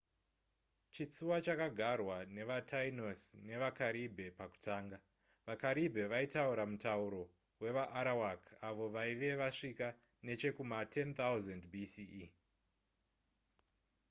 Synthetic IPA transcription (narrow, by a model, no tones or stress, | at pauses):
t͡ʃit͡suwat͡ʃakaɡʱarwane̞ʋatʰainosne̞ʋakaɾibʱe̞paku̥tʰaːŋɡa | ʋakaɾibʱe̞ʋaitauɾamutauɾo̞ | we̞ʋaʔːɾawakʰaʋo̞ʋaiʋe̞ʋaʂika | ne̞t͡ʃe̞kumatʰe̞nt̪awuzandbʱisi